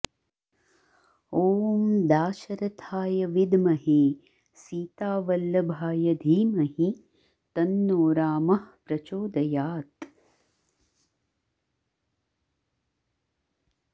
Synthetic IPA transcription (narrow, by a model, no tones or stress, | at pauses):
oːmd̪aːʃɐɾɐt̪ʰaːjɐʋid̪mɐɦeː | siːt̪aːʋɐlːɐbʱaːjɐd̪ʱiːmɐɦi | t̪ɐnːoːɾaːmɐhpɾɐt͡ʃoːd̪ɐjaːt̪